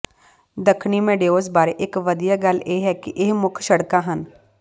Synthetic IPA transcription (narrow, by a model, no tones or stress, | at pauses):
d̪əkʰniːmẽːɖeːoːzbaːɾeːʔɪkʋəd̪ijaːɡəleːɦɛːkɪʔɪɦmʊkʰʃəɽkãːɦən